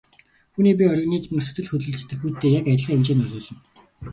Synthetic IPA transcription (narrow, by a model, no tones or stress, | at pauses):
xuniːp̬ʲiœɾʲɣniːt͡smɘ̆nsɵ̥t̪ɘ̆ɮxɵt̪ɮɵ̆ɮt͡st̪ɘ̆kxujʰt̪ʰeːjakæj̆ɮʁiːemt͡ɕeːnʊɮʊːɮɞ̆n